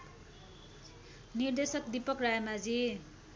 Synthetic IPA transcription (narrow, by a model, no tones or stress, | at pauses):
nird̪esʌkd̪ipʌkrajmad͡zi